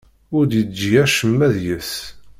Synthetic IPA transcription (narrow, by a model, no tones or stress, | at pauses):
ʊɾd̪jəd͡ʒijæʃəmːæðjəθ